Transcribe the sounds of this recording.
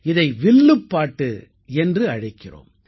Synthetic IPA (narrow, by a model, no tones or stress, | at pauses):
ɪðɐɪʋɪɭːɯpːaːʈːɯ | ɛndrɯɐɻɐɪkːɪro̰ːm